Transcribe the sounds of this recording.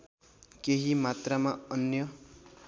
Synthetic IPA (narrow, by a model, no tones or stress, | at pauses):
keɦimat̪ramaʌnjʌ